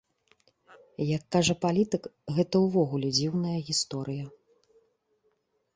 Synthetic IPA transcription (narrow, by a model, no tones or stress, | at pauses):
jɐkːaʐɐpalʲit̪ɨkɣɛt̪ɐwvɔɣulʲɛd͡zʲiwnɐjɐɣʲist̪ɔɾɨjɐ